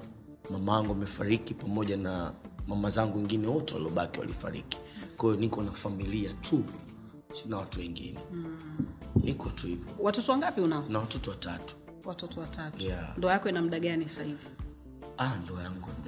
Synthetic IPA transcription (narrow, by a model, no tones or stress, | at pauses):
mamawaŋɡuamɛfaɾikipamɔʄanamamazaŋɡuwɛŋɡinɛwɔtɛwa̰liɔɓakiwa̰lḭfa̰ɾḭki̥kwaijɔnikɔnafamiliatʰu | sinawatuwɛŋɡḭnɛ | nʔikɔtuivɔwatɔtɔwaŋɡapiunaɔnawatɔtɔwatatu̥ | watɔtɔwatatjandɔajakɔinam̩ɗaɠanisahivi | andɔajaŋɡuam̩a